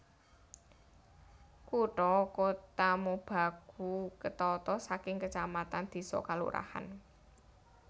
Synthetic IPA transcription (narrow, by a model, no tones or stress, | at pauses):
kuʈɔkot̪amob̥a̤ɡ̥ṳkət̪ɔt̪ɔsakɪŋkət͡ʃamat̪and̪̥i̤sɔ̰kalṵɾʔa̰ha̰n